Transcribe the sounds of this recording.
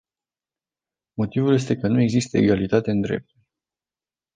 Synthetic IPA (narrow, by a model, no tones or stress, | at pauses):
mo̞t̪ivulje̞s̬t̪e̞kənue̞ɡzist̪əeɡalit̪at̪e̞ɨnd̪ɾe̞̰p̚t̪ulʲ